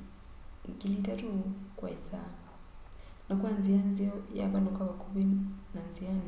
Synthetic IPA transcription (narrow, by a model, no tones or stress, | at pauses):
ŋkilitatukwa̰isa | nakuanzianziɔja̰βanɔkwaβakuβinanziani